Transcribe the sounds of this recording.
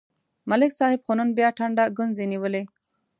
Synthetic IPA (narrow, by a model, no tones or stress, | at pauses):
malɪksɑhɪbxonənbjɑʈʰaɳɖaɡʊnzeniwəle